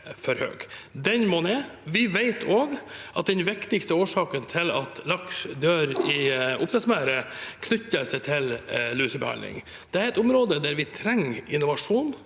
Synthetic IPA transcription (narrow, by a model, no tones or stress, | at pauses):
fɔɾhø̰ːɡ̥d̪ɛnmɔneːʋɪʋæɪt̪ʰoːɡʔɑt̪̚d̪ɛnʋɪkt̪ɪkst̪əoːʂɑːkənt̪ʰɪlɑ̰t̪ʰlɑkʂd̪øːɾɪʔʊpsʰɛsmæːɾəkʰnʏt̪ːəsɛɪt̪ʰɪllʉːsəbəhɑ̰nlɪ̰ŋ | d̪̥ɛæɾɛt̪ʊmɾoːd̪əd̪æɾʋɪt̪ʰɾɛŋːɪnːʊʋɑʂuːn